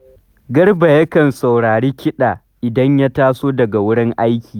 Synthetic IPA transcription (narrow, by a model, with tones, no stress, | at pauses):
ɡɐ˦rba˨jɐ˦kɐ˨nsa˨wɽaː˨ɽeː˦kʲɪ˦ɗaː˨ | ʔɪ˨dɐ˦ɲja˦taː˦soː˦dɐ˨ɡa˨wʊ˦ɽɪ˦ŋʔa˦jkʲiː˨